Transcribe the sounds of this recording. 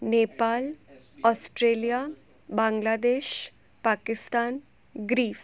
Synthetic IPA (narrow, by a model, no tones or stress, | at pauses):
neːpaːl | ɔːsʈɾeːlija | bãːŋɡlaːd̪eːʃ | paːkɪst̪aːn | ɡɾiːf